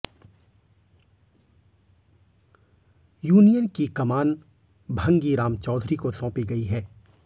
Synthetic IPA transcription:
juːnijənkikɐmaːn | bʱɐ̃ŋɡiɾaːmt͡ʃɔːd̪ʱɾikosɔ̃ːpiɡɐiɦɛː

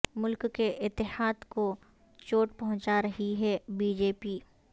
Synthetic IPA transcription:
mʊlkkeʔɪt̪ːɪhaːd̪ko | t͡ʃoːʈpɐɦʊ̃t͡ʃaɾɐɦiɦɛbiːd͡ʒeːpiː

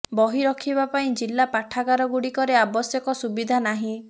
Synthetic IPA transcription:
bɔɦiɾɔkʰibapaĩd͡ʒilːapaʈʰaɡaɾɔɡuɽikɔɾeabɔsjɔkɔsubid̪ʱanaɦĩ

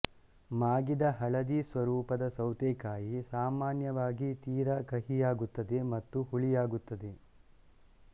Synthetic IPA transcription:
maːɡid̪ɐɦɐɭɐd̪isʋɐɾuːpɐd̪ɐsɐwt̪eːkaːjisaːmaːnjɐʋaːɡit̪iːɾɐkɐɦijaːɡut̪ːɐd̪e̞mɐt̪ːuhuɭijaːɡut̪ːɐd̪e

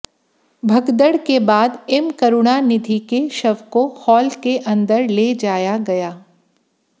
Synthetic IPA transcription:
bʱɐɡd̪əɽkebaːd̪ɪmkɐɾʊɽ̃anɪd̪ʱikeʃɐʋkohɔːlkeʔɐ̃nd̪əɾled͡ʒaːjaɡɐjaː

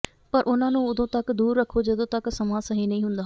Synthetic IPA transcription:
pəɾʔʊnãːnũːʊd̪õːt̪əkd̪uːɾːəkʰːoːd͡ʒəd̪õːt̪əksəmãːsəɦĩːnəĩːɦʊnd̪aː

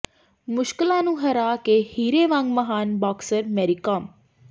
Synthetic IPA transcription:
mʊʃkɪlãːnũːɦəɾaːkeːhiːɾeːʋãŋɡməɦaːnbaːksəɾmɛːɾikãːm

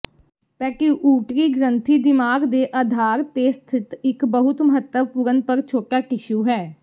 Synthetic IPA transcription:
pɛːʈiːʔuːʈɾiːɡɾənt̪ʰiːd̪ɪmaːɡd̪eːʔaːd̪ʱaːɾt̪eːst̪ʰɪt̪ɪkbəɦʊt̪məɦət̪ːəʋpʊɾənpəɾt͡ʃʰoːʈaːʈɪʃuːɦɛː

